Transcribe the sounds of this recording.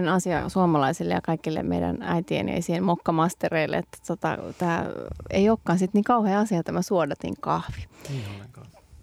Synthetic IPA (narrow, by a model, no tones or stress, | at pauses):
nɑsiɑ̰suomɑlɑisilːḛjɑkɑikilːḛmḛidæ̰næit̪iḛnḛisiːhelmokːɑmɑst̪ereilːˑḛet̪ːæ̥t̪ot̪ɑ̰t̪æːḛioːkːɑːnsit̪niːŋkɑuheːɑsiɑt̪æmæsuodɑt̪ḭŋkɑ̰hʋi̥kɑ